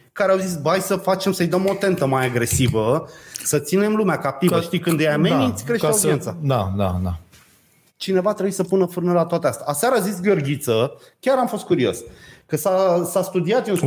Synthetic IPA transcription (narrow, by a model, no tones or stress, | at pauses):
kaɾeawzis̬ʲbajsəfat͡ʃe̞msəjd̪əmo̞t̪e̞nt̪əmajaɡɾe̞sivəsət̪sine̞mlumeakap̚t̪ivəʃt̪ikɨnd̪ɨjamenit̪sʲkɾeʃkeaud̪ie̞nt̪sad̪ad̪a̰d̪a̰ | t͡ʃine̞vat̪ɾebuisəpunəfɨrnəlat̪oat̪east̪aːsaɾazis̬ʲɡərɡʲit̪sə | kʲaɾamfo̞st̪̚kuɾio̞̰skəsasast̪ud̪iat̪jiun